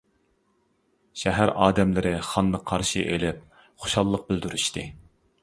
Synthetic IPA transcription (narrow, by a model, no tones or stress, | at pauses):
ʃæɦæɾɑːd̪ɛmlɪɾɪχɑnd̪əqʰːɑɾʃɨ̰ʔelɪp̚ | χo̥ʃɑlˠːəq̚bɪld̪yɾyʃt̪ʰɨ